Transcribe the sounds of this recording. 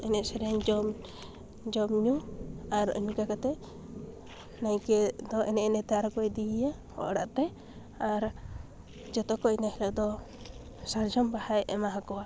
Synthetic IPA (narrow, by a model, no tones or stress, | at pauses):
ɛnɛʔ̪saɾɛaɲd͡ʒɔm | d͡ʒɔmɲuaɾə̰ɲkakat̪ɛ | najkɛd̪ɔʔɛnɛʔnɛt̪aɾɔkɔjd̪ijahɔ̰ʔɽa̰ʔt̪ɛ | aɾ | d͡ʒɔt̪ɔkɔnahilɔʔd̪ɔ | saɾd͡ʒɔmbahajʔɛmaɦakɔwa